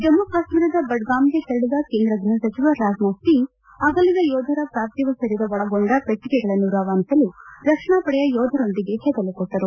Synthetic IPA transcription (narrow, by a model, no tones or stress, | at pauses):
d͡ʒɐmːɐkaːʂmiɾɐd̪ɐbɐɖɡaːmɡet̪eɾɐɽud̪ɐkeːnd̪ɾɐɡ̪ɾuɦɐsɐt͡ʃiʋɐɾaːd͡ʒmɐst̪i | ɐɡɐlːid̪ɐjɔːd̪ʱɐɾɐpɾaːɾt̪iʋɐsɐɾid̪ɐʋɐɭɐɡoɳɖɐpɾɐkɾikɛɡɐɭɐnːuɾaːʋaːnt̪ɐlud̪ɐkʂɐɳaːpɐɽɛjɐjɔːd̪ʱɐɾo̞nd̪iɡe̞ɦɛːd̪ɐlikɔʈːɐɾu